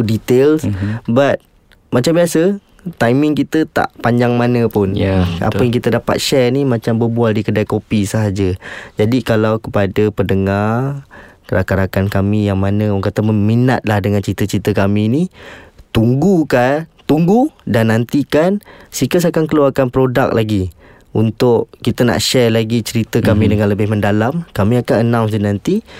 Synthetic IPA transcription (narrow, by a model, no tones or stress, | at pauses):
dit̪elsbat̪̚ | mat͡ʃambiasə | t̪ajmɪŋkit̪ət̪a̰ʔpaɲd͡ʒaŋmanəpʊna̰əjaŋkit̪ədapa̰t̪̚ʃɛrnimat͡ʃambəbualdikədajkopisəɦad͡ʒəd͡ʒadikalawkəpadəpədəŋarkəɾakaɾakankamijaŋmanəɔŋkat̪aməminat̪̚lahdəŋant͡ʃəɾit̪ət͡ʃəɾit̪əkaminit̪uŋɡukat̪uŋɡudanːant̪ikansikəs̬akankəluarkanpɾoda̰k̚lʔaɡi | unt̪ʊʔkit̪əna̰ʔʃɛrlaɡit͡ʃəɾit̪əkamĩdəŋanləbɪhməndalamkamĩakanənãwsdinant̪i